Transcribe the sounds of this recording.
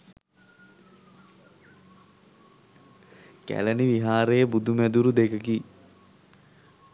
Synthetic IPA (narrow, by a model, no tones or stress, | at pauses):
kæ̰ləniʋiɦaːɾejəbud̪umæd̪uɾud̪ekəki